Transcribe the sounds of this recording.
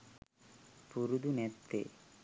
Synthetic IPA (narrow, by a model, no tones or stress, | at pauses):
puɾud̪unet̪ːḛ